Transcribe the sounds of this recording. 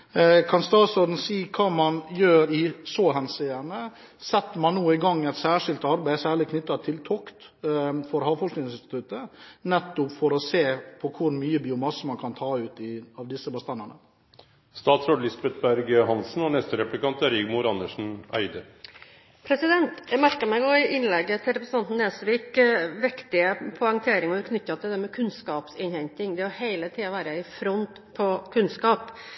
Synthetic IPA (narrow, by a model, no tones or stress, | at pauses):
kʰɑnst̪ɑːt̪sɔd̪n̩siːkʰɑːmɑnjøːɾɪsɔːɦɛnsɪːənə | sɛt̪ːmɑnːuːɪɡɑŋːɛɪt̪sæːʂɪlt̪ɑɾbæɪsæːɭɪkʰnʏt̪ːɑt̪ʰɪlt̪ʰɔkt̪fɔɾhɑːʋfɔʂknɪŋsɪnst̪ɪ̥t̪ʰʉt̪ənɛt̪ːʊpfɔɾɔseːpʰɔkʰʊɾmyːəbɪʊmɑsəmɑnkʰɑnt̪ʰɑːʉːt̪ɪɑʋd̪ɪsəbəst̪ɑnənə | st̪ɑːt̪sɾoːd̪lɪsbɛt̪̚bæɾɡəɦɑnsn̩ɔnɛst̪əɾɛplɪkɑnt̪æɾiːɡmʊɾɑnəʂɳ̩æ̰ɪd̪ə | pʰɾɛsɪd̪ɛnt̪jæmæɾkəmæɪɡɔɪʔɪnlɛɡːət̪ʰɪlɾɛpɾəsn̩ɑnt̪n̩ːeːsʋiːkʋɪkt̪ɪəpʰʊɛŋt̪ʰeːɾɪŋɔʋʉɾkʰnʏtːɑt̪ʰɪld̪ɛmɛkʰʉnskɑːpsɪnhɛɲt̪ɪŋd̪ɛɔheɪlət̪ʰiːɑʋæːɾəɪfɾɔnt̪ | pʰɔkʰʉnskɑːp